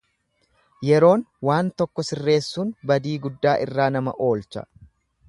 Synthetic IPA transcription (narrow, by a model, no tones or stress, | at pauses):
jɛɾo̞ːnwaːnt̪ɔkːɔsɪrːe̞ːsːuːnbɐd̪iːɡʊd̪ːaːʔɪrːaːnɐmɐ̰ʔo̞ːlt͡ʃɐ̰